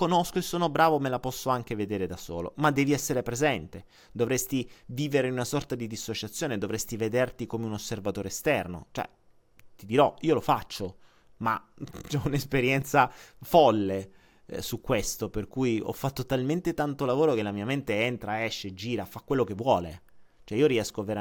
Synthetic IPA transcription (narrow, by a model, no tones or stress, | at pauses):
konoskoesːoːnobɾaːvomelapɔsːoaŋk̟eved̪eːɾed̪aso̰ːlo̰mad̪ːɛːviɛsːeɾepɾezɛnt̪e | d̪ovɾɛst̪iviːveɾeinunasɔrt̪ad̪id̪isːot͡ʃat̪sːjoːned̪ovɾɛst̪ived̪ert̪ikomeunosːervat̪oːɾeːst̪ɛrno̰t͡ʃoɛ̰ | t̪id̪iɾɔiːolofat͡ʃːo | mat͡ʃɛunespeɾjɛnt̪safɔlːe | sukːwest̪operkujɔ̰fːat̪ːot̪alment̪et̪ant̪olavoːɾok̟elːamiːament̪eɛnt̪ɾaɛʃːed͡ʒːiːɾafakːwelːokevːwɔːlḛt͡ʃoɛioɾiɛskoavːeɾa